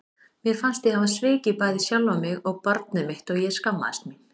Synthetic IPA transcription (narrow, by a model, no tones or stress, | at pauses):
mjɛɾ̥fanst̪jɛhavasvɪːcɪpaːjðɪsjawlvamɪɣɔɣpaɾt̪nʏmɪht̪ɔɣjɛ̥skamːa̰ðɪst̪min